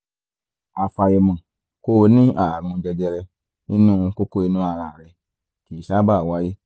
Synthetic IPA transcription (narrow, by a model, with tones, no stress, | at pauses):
a˧fa˧jɛ˧mã˨ | ko˦˧˦nĩ˦a˦˨ɾ̃ũ˧d͡ʒɛ˧d͡ʒɛ˧ɾɛ˧ | nĩ˦nũː˦˧ko˦ko˦i˧nũ˦a˦˧˨ɾa˨ɾɛ˧ | ki˨ʃa˦ba˦˨wa˨˦je˦